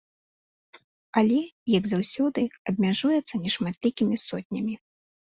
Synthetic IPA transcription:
ɐlʲɛjɐɡzawsʲɔd̪ɨɐb̚ʲmʲaʐujɛt̪sːɐnʲɛʂmat̪lʲikʲimʲisɔt̪ʲnʲɐmʲi

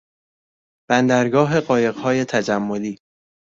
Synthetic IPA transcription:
b̥ænd̪æɾɡɒːɦe̞ɢɒːje̞ɣhɒːje̞t̪ʰæd͡ʒæmːo̞liː

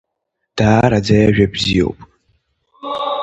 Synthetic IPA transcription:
d̥aːɾad͡zajaʒᶣabzijo̰wpʼ

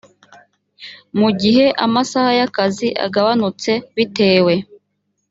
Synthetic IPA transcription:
muɟiɦe̞ʔamasahajakaziʔa̰ɡaβanut͡se̞βite̞ːwe̞

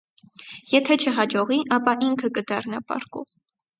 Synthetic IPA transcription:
jɛt̪ʰɛt͡ʃʰəɦɑd͡ʒɔʁiʔɑpɑʔiŋkʰəkəd̪ɑrnɑpɑ̰ɾkɔ̰ʁ

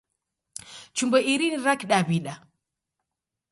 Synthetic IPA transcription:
t͡ʃumbɔʔiɾiniɾakɗaβiɗa

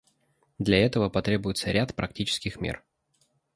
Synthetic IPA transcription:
d̪lʲɐɛt̪əvəpɐt̪ɾʲe̞bʊjɪt̪səɾʲat̪pɾɐk̚tʲit͡ɕɪ̥skʲɪxmʲḛr

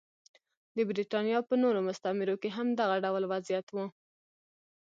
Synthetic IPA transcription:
d̪əbɾiʈɑnjɑpənoɾomʊst̪amɪɾokeɦamd̪aɣaɖawlwazijat̪wu

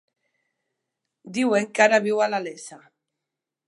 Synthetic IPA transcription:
d̪iweŋkaɾaβiwalalesa

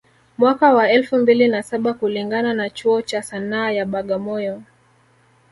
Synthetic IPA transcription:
mwakawaɛlfumbilinasaɓakuliŋɡananat͡ʃuɔt͡ʃasanaːjaɓaɠamɔjɔ

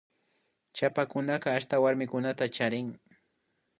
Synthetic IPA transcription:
t͡ʃapakʊnaqɑːʃt̪awaɾmɪkʊnat̪at͡ʃaɾɪŋ

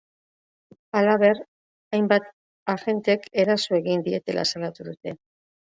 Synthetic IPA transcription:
alaβ̞e̞ɾ | ajmbat̪ | axe̞nt̪eke̞ɾasoe̞ɣind̪ie̞t̪e̞lʔa̰salat̪uðut̪e̞

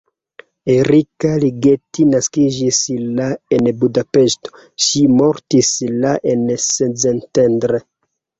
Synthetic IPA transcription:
eɾikaliɡetinaskid͡ʒislaenbudape̞sto̥ | ʃimoɾtislaʔensezentendɾe

